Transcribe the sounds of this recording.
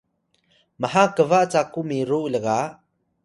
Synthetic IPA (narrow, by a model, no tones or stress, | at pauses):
məhakəvaʔt͡sakumiɾuʔləɣaʔ